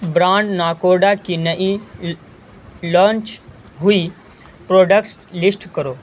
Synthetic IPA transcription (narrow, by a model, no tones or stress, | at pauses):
bɾãɳɖnakoɖakinəʔi | lɔt͡ʃ | ɦui | pɾoɖəkʈslisʈkəɾo